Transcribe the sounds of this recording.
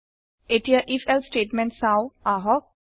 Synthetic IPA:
eʈiaʔifelsʈeːʈmɛ̃ɳʈsawaɦɔ

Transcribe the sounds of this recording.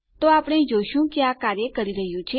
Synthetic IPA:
t̪oapəɽ̃ed͡ʒoʃũkeakaɾjəkəɾiɾəɦjũt͡ʃʰe

